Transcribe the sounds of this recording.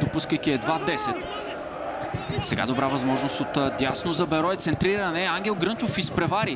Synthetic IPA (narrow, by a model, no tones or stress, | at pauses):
d̪opuskəjkiɛd̪vad̪ɛsɛt̪ | sɛɡa̰d̪obɾavɐzmɔʒnost̪ot̪d̪jasnozɐbɛɾɔɛt̪sɛnt̪ɾiɾɐnɛaŋɡʲɛlˠɡɾɤnt͡ʃofispɾɛvaɾi